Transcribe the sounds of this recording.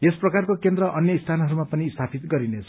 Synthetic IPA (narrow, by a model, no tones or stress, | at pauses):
esprʌkarkokend̪rʌʔʌnjʌist̪ʰanʌɦʌɾumapʌniːst̪ʰapʰit̪ɡʌɾinet͡sʰʌ